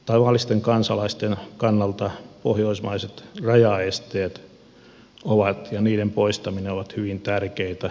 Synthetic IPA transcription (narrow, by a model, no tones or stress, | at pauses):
t̪ɑʋɑˑlːˑist̪eŋkɑnsɑlɑist̪enkɑnːɑlt̪ɑpohjoismɑiset̪rɑjɑest̪eːt̪ | oʋɑt̪jɑniːdempoist̪ɑmineoʋɑt̪hyʋint̪ærkeit̪æ